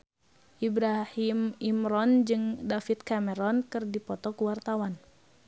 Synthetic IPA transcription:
ʔibɾahimimɾɔnd͡ʒɨŋdafit̪̚kamɛɾɔnkɨrdipɔt̪ɔkəwart̪awan

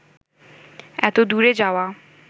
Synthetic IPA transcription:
ɛt̪od̪uɾed͡ʑaoa

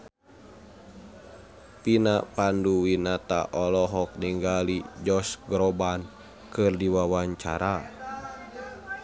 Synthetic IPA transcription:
pinapanduwinat̪a̰ʔɔlɔɦɔk̚niŋɡalid͡ʒɔsɡɾɔban | kɨrdiwawaɲt͡ʃa̰ɾa

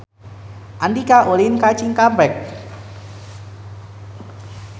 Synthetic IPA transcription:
ʔandikaʔolinkat͡ʃiŋkambɛk̚

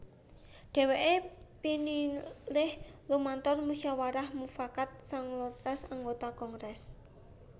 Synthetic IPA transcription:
ɖ̥ɛ̤weʔepinilɪhlumant̪ɔrmusawaɾahmufakat̪̚saŋlɔt̪asaŋɡot̪akɔŋɾɛs

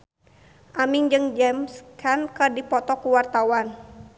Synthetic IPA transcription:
ʔamiŋd͡ʒɨŋd͡ʒɛmskʰankədipɔt̪ɔkuwart̪awan

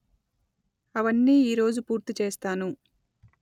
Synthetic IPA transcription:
ɐʋɐnːiːiːɾo̞ːd͡ʒupuːɾt̪it͡ʃeːst̪aːnu

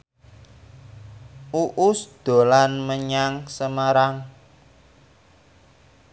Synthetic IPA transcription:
uʔʊsd̪̥o̤lanməɲaŋsəmaɾaŋ

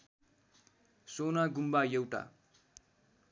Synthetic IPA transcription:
sonaɡumbajewʈa̰

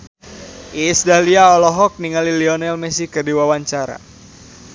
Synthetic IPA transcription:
ʔisdahliaɔlɔɦɔk̚niŋaliliɔnɛlmɛsikərdiwawaɲt͡ʃaɾa̰

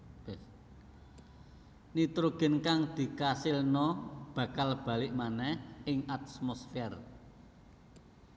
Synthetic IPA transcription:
b | nit̪ɾuɡ̥ə̤nkaŋd̪̥i̤kasilnɔb̥ä̤kalb̥ä̤lɪʔmanɛhɪŋʔat̪̚smɔsfɛr

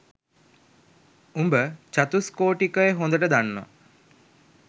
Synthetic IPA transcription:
umbət͡ʃat̪uskoːʈikəjeɦõnd̪əʈəd̪anːɔ̰

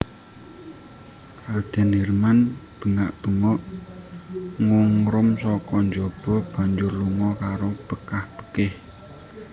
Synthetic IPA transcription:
kad̪̥ɛ̤nermanb̥ə̤ŋaʔb̪̥ə̤ŋɔʔ | ŋuŋɾʊmsɔkɔnd͡ʒɔb̥ɔ̤b̥a̤ɲd͡ʒʊrluŋɔkaɾob̥əkahb̥ə̥kɪh

